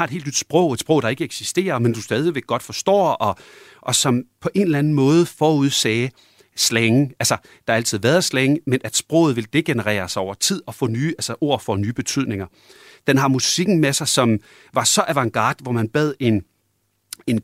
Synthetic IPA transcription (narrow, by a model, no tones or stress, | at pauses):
ɑ̈e̝̥he̝ːld̥nyd̥sb̥ʁɔʊ̰e̝d̥sb̥ʁɔ̽ʊd̥ɑ̈e̝ɡ̥əeɡ̥sisd̥e̝̰ːɐmend̥usd̥ɛːð̞ˠiʋeɡ̥ːɒ̽d̥fɒ̽sd̥ɒ̰ːɒ̽ | ʔɒ̽sɒ̽mpʰɒ̽ʔe̝nlæn̩mɔ̽ːð̞̩ˠəfɒːuð̞ˠsɛː | sleŋælsɐ | d̥ɑ̈ɑælt͡sʰið̞̰ˠʋæːɐð̩ˠsleŋəmenʔæd̥sb̥ʁɔ̽ʊð̩ˠʋe̝ld̥e̝ɡ̥e̝nəʁɛ̰ːɐsaɪɒ̰ʊɐt͡sʰið̞̰ˠɒ̽fɔ̰̽ːnyːælsəʔo̝ɐ̰fɒnyːb̥e̝t͡sʰyð̰ˠne̝ŋɐ | d̥enɦɑ̈musiɡ̥n̩mesɑ̈ɪsɒ̽m | ʋɑ̈sɒ̽ʔæʋɑ̈ŋɡ̥ɑ̰̈ːd̥ʋɒmænb̥ɛð̰ˠe̝n | en